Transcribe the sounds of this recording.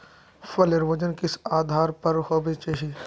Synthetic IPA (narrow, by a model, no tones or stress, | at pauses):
fɐleɾʋɐd͡ʒənkɪsaːd̪ʱaːɾpɐɾhɔbet͡ʃeɦi